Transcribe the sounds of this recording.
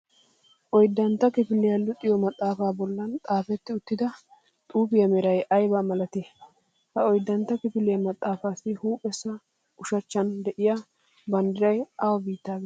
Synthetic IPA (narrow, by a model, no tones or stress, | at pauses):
ʔɔjd̪ːɐnt̪ːɐkɪfɪlːɪjɐlʊt̪ʼːɪjɔmɐt̪ʼːaːfaːbɔlːɐnt̪ʼaːfɛt̪ːɪʊt̪ːɪd̪ɐ | t̪ʼuːbɪjɐmɛɾɐjʔɐjbaːmɐlɐt̪e | hɐɔjd̪ːɐnt̪ːɐkɪfɪlejɐmɐt̪ʼːaːfaːsɪhuːpʼɛsːɐ | ʔʊʃɐt͡ʃːɐnd̪ɛʔɪja | bɐnd̪ɪɾɐjɐwɐbiːt̪ːaːɡ